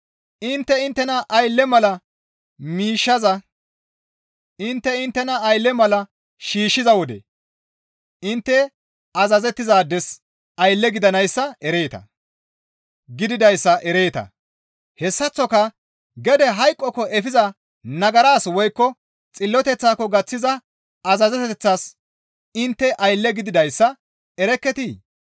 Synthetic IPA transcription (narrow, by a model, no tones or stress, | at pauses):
ʔɪnt̪ːɛɪnt̪ːɛnɐʔɐjlːɛmɐlɐ | miːʃːɐzɐ | ʔɪnt̪ːɛɪnt̪ːɛnɐːjlːɛmɐlɐ | ʃiːʃːɪzɐwɔd̪ɛ̰ | ʔɪnt̪ːɛ | ɐzɐzɛt̪ːɪzaːd̪ːɛs | ɐjlːɛɡɪd̪ɐnɐjsːɐɛɾeːt̪ɐ̰ | ɡɪd̪ɪd̪ɐjsːɐʔɛɾeːt̪ɐ̰ | hɛsːɐt͡sːɔkɐ | ɡɛd̪ɛɦɐjkʼːɔkːɔʔɛfɪzɐ | nɐɡɐɾaːswɔjkːɔ | t͡sʼɪlːɔt̪ɛt͡sːaːkːɔɡɐt͡sːɪzɐ | ɐzɐzɛt̪ɛɛt͡sːas | ɪnt̪ːɛʔɐjlːɛɡɪd̪ɪd̪ɐjsːɐ | ɛɾɛkːɛt̪i